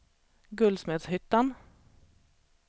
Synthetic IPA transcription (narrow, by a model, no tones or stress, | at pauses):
ɡʉlsmɛt̪shʏt̪ːan